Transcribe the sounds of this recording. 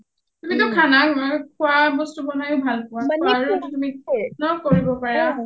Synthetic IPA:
tumitʊkʰanakɔkʰʊwabɔstubɔnajʊbʱalkʊwaɹututuminɔkoɹibɔpaɹa

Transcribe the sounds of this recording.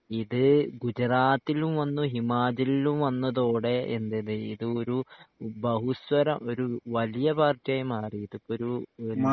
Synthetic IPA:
iðɨɡud͡ʑɐraːt̪ːilumʋɐnːuɦimaːd͡ʑɐlilumʋɐnːɐðo̞ːɽe̞ʔḛnd̪eðeḭðɨo̞ɾubɐɦuswɐɾɐmo̞ɾuʋɐlijɐbaːrtːjajmaːriːðupːoɾu

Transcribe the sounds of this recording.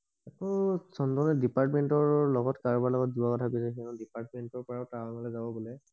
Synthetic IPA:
ɛkʰɔsɔndɔnɛdipaɹtmentɔɹlɔɡɔtkaɹɔbaɹlɔɡɔt̚zuwakɔtʰakusɛkinɔdipaɹtmentɔɹpɔɹawtaɔŋɔlɛzabɔbulɛ

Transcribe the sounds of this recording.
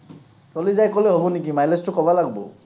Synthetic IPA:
tɔlizajkɔlɛɦobɔnik̬imajlɛstʊkɔbalaɡbɔ̰

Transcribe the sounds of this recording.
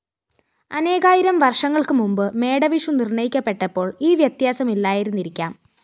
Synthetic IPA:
ɐne̞ːɣaːjiɾɐmʋɐrʂɐŋːɐɭkɨmumbɨme̞ːɽɐʋiʂunirɳɐjikʲːɐpːe̞ʈːɐpːo̞ːɭiːʋjɐt̪jaːsɐmilːaːjiɾunːiɾikʲːa̰ːm

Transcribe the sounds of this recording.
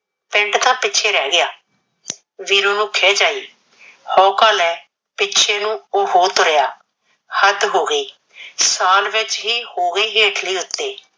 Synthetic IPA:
pɪ̃ɳʈt̪ãːpɪtːt͡ʃʰeːɾɛːɡɪjaː | ʋiːɾoːnũːkʰeːd͡ʒaːiː | hɔːkaːlɛː | pɪtːʃʰeːnũːoːɦoːt̪oɾɪjaː | həd̪ɦoːɡəiː | saːlʋɪt͡ʃɦiːhoːɡəiːɦeːəʈʰliːʊt̪ːeː

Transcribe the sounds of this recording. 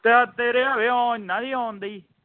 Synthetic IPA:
t̪et̪eːɾeːaʋeːãːnãːd̪iːãːnd̪iː

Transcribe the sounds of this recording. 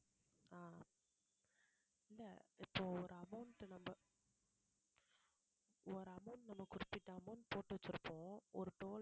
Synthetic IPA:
aː | ɪlːɐɪpːoːɔɾɐmɐːnʈːɯnɐmbɐ | ɔɾɐmɐːnnɐmːɐkːʊɾɪpːɪʈːɐɐmɐːnpoːʈːɯʋɐt͡ʃːɪɾɯpːõːɔɾɯʈoːl

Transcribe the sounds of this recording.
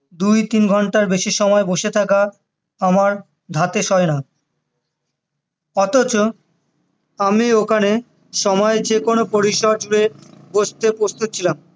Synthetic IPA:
d̪ujt̪inɡʱɔɳʈaɾbeʃiʃɔmɔeboʃet̪ʰaka | amaɾ | d̪ʱat̪eʃɔena | ɔt̪ot͡ɕo | amiokʰane | ʃɔmɔed͡ʑekonopoɾiʃɔd͡ʑuɽeboʃt̪epɾost̪ut̪̚ːt͡ɕʰilam

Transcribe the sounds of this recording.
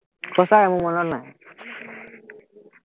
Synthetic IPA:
pɔsaɹamumɔnɔtnaj

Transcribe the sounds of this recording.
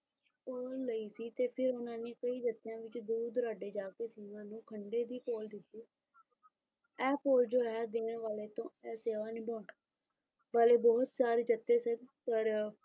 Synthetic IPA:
poːlːəiːsiːt̪eːpʰɪɾʊnãːneːkəiːd̪ət̪ːɪjãːʋɪt͡ʃd̪uːd̪ɾaːɖeːd͡ʒaːkeːsiːnãːnũːkʰəɳɖeːd̪iːpoːld̪ɪt̪ːiː | ɛːpoːld͡ʒoːɦɛːd̪eːɳʋaːleːt̪õːɛːseːʋaːnɪboːɳ | ʋaːleːbɔːt̪saːɾed͡ʒət̪ːeːsəɾpəɾ

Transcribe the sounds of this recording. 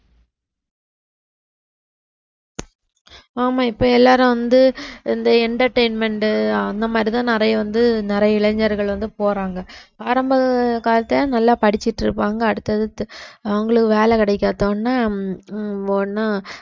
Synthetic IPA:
aːmaːɪpːoːɛlːaːɾɯ̃ʋɐnd̪ɯɪnd̪ɐɛɳʈɐɾʈɛɪnmɛɳʈɯɐnd̪ɐmaːd̪ɾit̪ãːnɪɾɐjɐʋɐnd̪ɯnɪɾɐjɐɪɭɐɲd͡ʒɐɾɣɐɭʋɐnd̪ɯpoːɾaːŋɡɐaːɾɐmbɐkaːlɐt̪ːɐãnɐlːaːpɐɽɪt͡ʃːɪʈːɪɾɯpːaːŋɡɐːɽɯt̪ːɐðɯɐʋɐŋɡɐɭɯkːɯʋeːlɛkɪɽɛɪkːaːt̪õːnːaː | onːaː

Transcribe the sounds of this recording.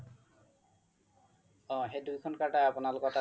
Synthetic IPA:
ɔ̃ɦejdujkʰɔnkaɹʈajapʊnalʊkɔta

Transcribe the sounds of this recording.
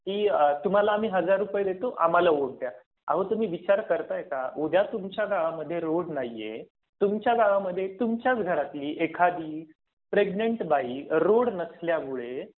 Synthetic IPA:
kiːt̪um̤alaːm̤iːɦəd͡zaɾːupjed̪et̪oʔa̰m̤alaʋoɽt̪ja | a̰ɦət̪um̤iːʋit͡ɕaɾkəɾt̪aekaod̪ʱjat̪umt͡ɕjaɡaʋaməd̪ʱːjeɾoɽnajːḛ | t̪umt͡ɕjaɡaʋaməd̪ʱːjet̪umt͡ɕjat͡sɡʱəɾat̪liːʔekʰad̪iː | pɾeɡneɳʈbaiɾoɽnəsljamuɭe

